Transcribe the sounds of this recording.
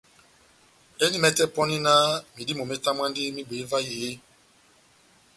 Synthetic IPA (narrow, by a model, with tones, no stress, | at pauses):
ɛ˦ni˦mɛ˦tɛ˦pɔ˦ni˦na˦mi˨di˦mo˨mɛ˦ta˦m˦a˦ndi˦mi˦ɡ͡be˨˦va˦ji˨je˦